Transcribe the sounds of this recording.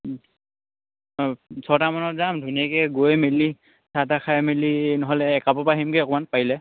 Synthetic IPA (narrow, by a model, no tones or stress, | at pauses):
sʰɔtamanɔzamdʱuniakɛɡojmeli | satakʰajmelinɔɦɔlɛːkapɔpaɦimkeɔkɔmanpaɦilɛ